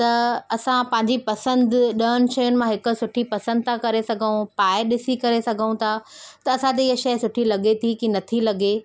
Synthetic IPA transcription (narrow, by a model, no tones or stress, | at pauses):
t̪ɐɐsãpɐ̃ɦɪ̃ɲ̆d͡ʑipɐsə̃nd̪ɗɐnɪ̆ʃɐjʊnɪ̆mãɦɪkʊ̆sʊʈʰipɐsə̃nd̪̚t̪ʰãkɐɾesɐɡʱəũpaːɪɗɪsikɐɾesɐɡʱəũt̪ʰat̪ɐɐsãt̪eɪɦəʃɐjsʊʈʰilɐɠet̪ʰikinɐt̪ʰilɐɠe